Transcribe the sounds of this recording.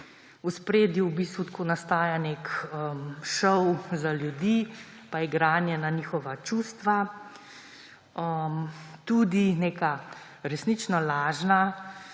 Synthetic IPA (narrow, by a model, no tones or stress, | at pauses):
uspɾeːd̪jiwbiːst̪ʋut̪koːnast̪aːjanekəmʃɔwzaljud̪iː | pajɛɡɾaːnjɛnaniːxɔʋat͡ʃust̪ʋa | əmt̪uːd̪ineːka | ɾɛsnit͡ʃnɔlaːʒna